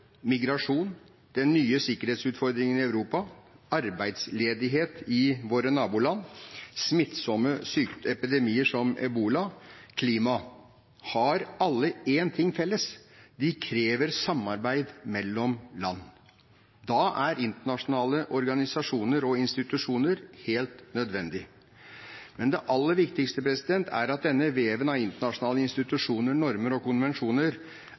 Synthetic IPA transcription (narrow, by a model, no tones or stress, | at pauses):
mɪɡɾɑʂuːn | d̪̥ɛnːyːəsɪkəɾheːt̪sʉːt̪fɔɾd̪ɾɪŋənɪɑʉɾuːpɑ | ɑɾbæɪd̪sleːd̪ɪɦeːt̪ɪʋoːɾənɑːbuːlɑnːsmɪt̪sɔmːəsyːkt̪ɛpɪd̪ɛmiːəʂɔmɑ̰ʉbuːlɑkʰliːmɑ | hɑɾɑlːəeːnt̪ʰɪŋːfɛlːəsd̪ɪkʰɾeːʋəɾsɑmːɑɾbæɪd̪mɛlːɔmlɑnː | d̪ɑʔæɾɪnt̪əɳɑʂʊnɑːləʔɔɾɡɑnɪsɑʂuːnəɾɔɪnst̪ɪt̪ʉʂuːnəɾheːlt̪nœd̪ʋɛnd̪ɪ | mɛnd̪ɛʔɑlːəɾʋɪkt̪ɪkst̪əpɾɛsɪd̪ɛnt̪ʰæ̰ɾɑt̪̚d̪ɛnːəʋeːʋənɑʋɪnt̪əɳɑʂʊnɑːləɪnst̪ɪt̪ʉʂuːnəɳɔɾməɾɔkʊnʋɛnʂuːnəɾ